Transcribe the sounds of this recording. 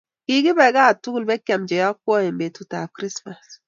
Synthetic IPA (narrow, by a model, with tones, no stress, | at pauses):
ki˦ɡi˦bɛ˨ɡa˦˨tu˦ɡu˦lbɛ˦kja˨md͡ʒɛ˨ja˦kːʷɔ˦e˨mbe˨tu˨ta˨kɾi˦sma˨s